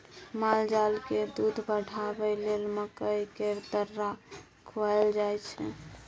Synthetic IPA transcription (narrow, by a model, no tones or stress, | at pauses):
mald͡ʒalked̪ud̪ʱbəɽʱabɛlelməkəjkeɾd̪əɾːa | kʰoaɛld͡ʒajt͡ʃʰɛ̰